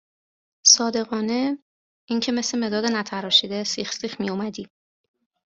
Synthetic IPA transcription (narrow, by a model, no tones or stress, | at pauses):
sɒːd̪e̞ɣɒːne̞ | iŋcʰe̞meslemed̪ɒːd̪enæt̪ʰæɾɒːʃid̪esiːxsiːxmijomæd̪iː